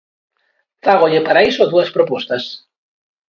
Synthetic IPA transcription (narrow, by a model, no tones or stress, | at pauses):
faɣoʎɪpaɾaisoðuɐspɾopost̪ɐs